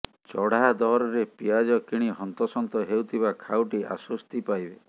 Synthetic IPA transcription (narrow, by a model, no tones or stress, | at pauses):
t͡ʃɔɽ̤aad̪ɔɦɾɔɾepiad͡ʒɔkiɽ̃iɦɔnt̪ɔsɔnt̪ɔɦewt̪ʰibakʰawʈiʔa̰sɔst̪ipajbe